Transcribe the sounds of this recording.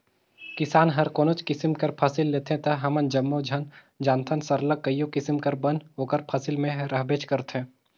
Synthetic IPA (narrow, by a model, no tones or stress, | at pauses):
kɪsaːnɦɐɾkoːnot͡ʃkɪsmkɐɾpʰɐsɪlːeːt̪ʰẽt̪ɐɦɐmənd͡ʒɐmːod͡ʒʱən | d͡ʒaːnt̪ʰənsɐɾləkːəijõkɪsmkɐɾbənɦoːkəɾpʰɐsɪlmẽɾɐɦbeːt͡ʃkɐɾt̪ʰɦẽː